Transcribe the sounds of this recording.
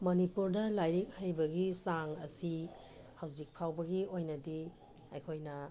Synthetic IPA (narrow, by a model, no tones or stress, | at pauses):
mɐnipuɾdɐlajɾik̚hɐjbɐɡisaŋɐ̰si | hawzik̚pʰawbɐɡiojnɐdi | ɐjkʰojnɐ